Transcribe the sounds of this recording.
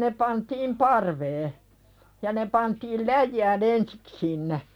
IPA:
ne pɑntiːm pɑrʋeː jɑ ne pɑntiːl læjːæːn ensik sinːe

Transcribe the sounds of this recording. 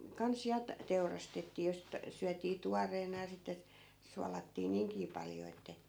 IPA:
kɑns jɑ t teurɑstetːiː jɑ sit syætiː tuɑreːnɑ jɑ sitːe suɑlɑtːiː niːŋkiː pɑljo etːæ

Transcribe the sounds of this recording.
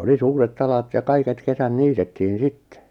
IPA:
oli suːretː ɑlɑt jɑ kɑiket kesæn niːtetːiːn sitːe

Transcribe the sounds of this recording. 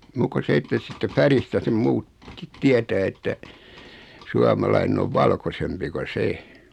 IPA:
muːkːo se etːæ siːtːæ færistæ sem muːt kit tietæː etːæ suɑmɑlɑinen oʋ ʋɑlkosempi ko se

